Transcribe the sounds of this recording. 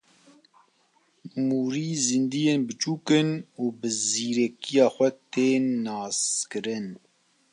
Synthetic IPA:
muːɾiːzɨnd̪ijeːnbɨt͡ʃuːkɨnuːbɨziːɾɛkijɑːxʷɛt̪eːnːɑːskɨɾɨn

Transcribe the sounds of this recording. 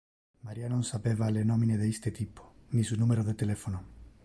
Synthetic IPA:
maɾianõnsapeβalenomĩneðeist̪et̪ipo̥nisunumeɾoðet̪elefono

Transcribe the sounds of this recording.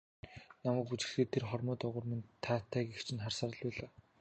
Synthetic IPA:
namæːkut͡ɕɪ̆xeːt̪ʰːerχɔrmɔːt̪ɔʁʊ̆ːrment̪ʰːaːt̪ʰːæːkixt͡ɕʰɪ̆nχarsaːɾə̆ɮpæːɮaː

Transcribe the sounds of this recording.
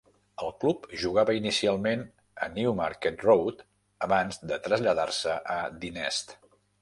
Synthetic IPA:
əlˠklupʒuɣ̞aβəinisialˠmen | ə̰niumaɾket̪rowt̪ | əβanzðət̪ɾəzʎəðarsəʔəd̪inɛst̪

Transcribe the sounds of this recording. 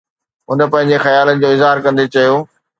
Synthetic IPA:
ɦʊnə̆pɐ̃ɦɪ̃ɲ̆d͡ʑexɐjaːlənɪ̆d͡ʑoːɪzɦaːɾkɐ̃nd̪et͡ɕɐjoː

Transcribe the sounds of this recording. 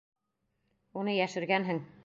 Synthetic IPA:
unɤjæʃɘ̆ɾɡænɦɘŋ

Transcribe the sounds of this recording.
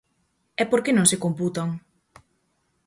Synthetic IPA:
ɛpoɾkenõŋsekomput̪aŋ

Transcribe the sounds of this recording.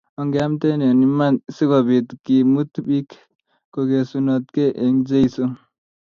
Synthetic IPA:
ʌŋɡamt̪enenimasiɡabʱit̪kimut̪bikʰ | koɡesunʌt̪keʔeŋd͡ʒejsu

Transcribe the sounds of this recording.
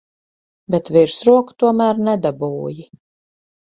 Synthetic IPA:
bet̪viɾsɾuɔkt̪uɔmæːɾnɛd̪abuːji

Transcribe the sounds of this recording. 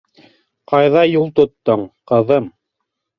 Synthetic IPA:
qɑjðɑjulˠt̪ŏt̪ːɤɴqɤ̆ðɤm

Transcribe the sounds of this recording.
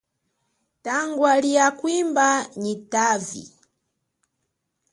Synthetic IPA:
taŋɡwalijakwimbaɲitaːvḭ

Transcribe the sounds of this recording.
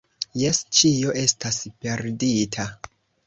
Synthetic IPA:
je̞st͡ʃio̞ʔe̞staspe̞ɾditʰa

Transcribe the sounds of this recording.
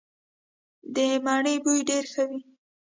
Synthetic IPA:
d̪əmaɳəjbujɖeɾxəwi

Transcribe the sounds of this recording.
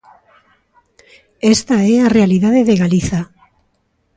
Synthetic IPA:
est̪aearealiðað̞eðeɣaliθa

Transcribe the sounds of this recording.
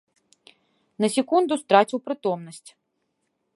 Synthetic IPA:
nɐsʲɪkund̪ʊst̪ɾat͡sʲiwpɾɪt̪ɔmnɐsʲt͡sʲ

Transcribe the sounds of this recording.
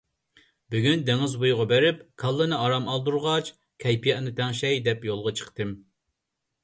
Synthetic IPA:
byɡʲynd̪eŋɪzbujʁɑbeɾɪpkʰɑlˠːɨnɨɑɾɑmɑlˠd̪uɾʁɑt͡ʃ | kʲʰɛjpʰijɛʔnɨt̪ʰɛŋʃɛjd̪ɛpjolˠʁɑt͡ʃʰə̥qt̪ɨm

